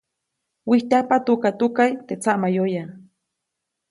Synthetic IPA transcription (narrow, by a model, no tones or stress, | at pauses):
wiht̪apat̪ukat̪ukajt̪et͡saʔmajoja